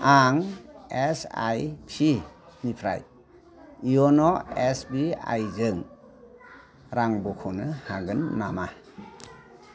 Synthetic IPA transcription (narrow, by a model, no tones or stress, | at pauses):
aŋesa̰jpʰinipʰɾa̰j | iɔnɔesbia̰jzɯŋ | ɾaŋbɔkʰonɯhaɡɯnːama